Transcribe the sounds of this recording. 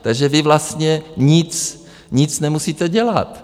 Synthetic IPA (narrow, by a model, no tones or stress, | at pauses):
t̪aɡʒɛvɪvlast̪ɲɛɲɪt͡s | ɲɪt͡snɛmusiːt̪ɛɟɛla̰t̪